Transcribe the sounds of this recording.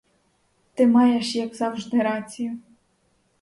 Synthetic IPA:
t̪ɪmajɛʂjaɡzawʐd̪ɪɾat͡sʲijʊ

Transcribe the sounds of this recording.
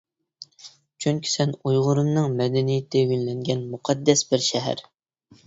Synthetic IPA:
t͡ʃʰyŋkʲʰi̥sɛnujʁʊɾɨmnɨŋmɛd̪ɛnijɪt̪ʰɪjynlɛŋɡʲɛnmuqʰɑd̪ːɛsbɪɾʃɛɦæ̰ɾ

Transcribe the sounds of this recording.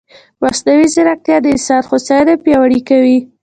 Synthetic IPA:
waslawizɪɾak̚t̪jɑd̪əsɑd̪xʊsɑjd̪apjɑwaɽikawi

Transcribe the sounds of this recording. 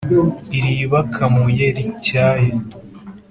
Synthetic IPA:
iɾiβakʰamujeɾicaːje

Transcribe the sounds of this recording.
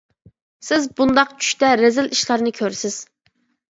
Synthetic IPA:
sɪzbund̪ɑqt͡ʃʰy̥ʃt̪ɛɾɪzɪlʔiʃlˠɑɾnɨkʲʰøɾsɪz̥

